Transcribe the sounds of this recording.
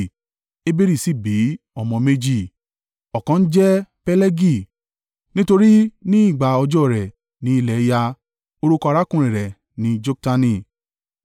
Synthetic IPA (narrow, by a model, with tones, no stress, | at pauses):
e˦be˦ɾi˦˨si˦˨bi˨˦ | ɔ˨mɔ̃˧me˦d͡ʒi˦˨ | ɔ˨kã˨˧n̩˦d͡ʒɛ˦pɛ˦le˦ɡi˦˨ | nĩ˦to˧ɾi˦nĩ˦i˦˨ɡ͡ba˨ɔ˧d͡ʒɔ˦˨ɾɛ˨ | nĩ˨˧i˧lɛ˨˦ja˧ | o˧ɾu˦kɔ˧a˧ɾa˦kũ˦˨ɾ̃ĩ˨ɾɛ˨ | nĩ˨˧d͡ʒo˦k̚ta˧nĩ˧